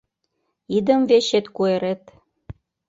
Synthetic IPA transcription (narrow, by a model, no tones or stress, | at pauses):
id̪ə̆mveɕet̪kueɾet̪